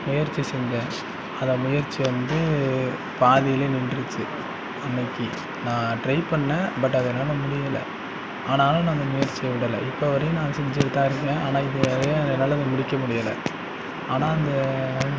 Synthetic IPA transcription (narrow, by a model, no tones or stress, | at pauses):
mʊjɐɾt͡ʃːisɛɲd͡ʒẽː | ɐðɐmʊjɐɾt͡ʃːiʋɐnd̪ɯ | paːðɪjɪleːnɪɳɖɾɯt͡ʃːɯ | ɐnːɐkːi | nãːʈɾɐɪpɐɳːɐbɐʈːɐðɐɛnːaːlɐmʊɽɪjɐlɐ̰ | aːnaːlɐ̃naːɪnd̪ɐmʊjɐɾt͡ʃːɪjɐʋɪɽɐlɐ̰ʔɪpːoʋɐɾɐjɯ̃nãːsɛɲd͡ʒɪɽɯt̪ːãːɪɾɯkːẽːaːnãːɪðɯɾɐɐðnːaːlɐɐnd̪ɐmʊɽɪkʲːɐmʊɽɪjɐlɐ̰ | aːnãːɪnd̪ɐ